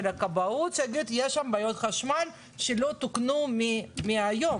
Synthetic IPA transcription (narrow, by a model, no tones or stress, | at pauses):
lakabautsaɡit̪jeʃambajot̪χaʃmal | ʃelo̞t̪uknumimiajo̞